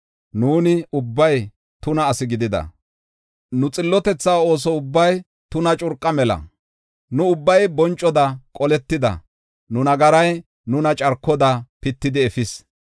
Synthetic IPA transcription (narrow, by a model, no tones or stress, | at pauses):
nuːnɪʊbːɐj | t̪ʊnɐːsɪɡɪd̪ɪd̪ɐ̰ | nʊt͡sʼɪlːɔt̪ɛt͡sːaːo̞ːs̬ɔʊbːɐj | t̪ʊnɐt͡ʃʼʊɾkʼːɐmɛlɐ̰ | nʊʊbːɐjbɔnt͡ʃʼːɔd̪ɐkʼɔlɛt̪ːɪd̪ɐ̰ | nʊnɐɡɐɾɐj | nʊnɐt͡ʃʼɐɾkːɔd̪ɐpɪt̪ːɪd̪ɪɛfɪs